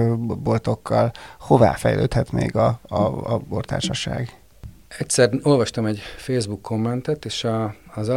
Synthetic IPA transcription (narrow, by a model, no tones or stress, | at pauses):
bolt̪o̞kːɒlho̞va̰ːfɛjlʔøːt̪hɛt̪meːɡɒ | bort̪a̰ːrʃɒʃa̰ːɡ | ɛcsɛro̞lvɒʃt̪ɒmɛɟfeːzbukʰːo̞mːɛnt̪ɛt̪eːʃɒːz